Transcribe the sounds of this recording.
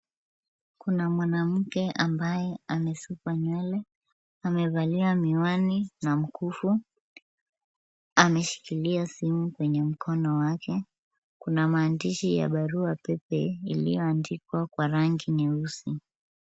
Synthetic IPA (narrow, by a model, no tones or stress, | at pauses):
kunamwanam̩kɛʔambajɛamɛsupwaɲwɛlɛ | amɛvaliwamiwaninam̩kufu | amɛʃi̥kiliasimukwɛɲɛm̩kʰɔnɔwakʰɛ | kunamaːndiʃija̰ɓaɾuapɛpɛilḭjɔandikwakwaɾaŋɡiniɾusi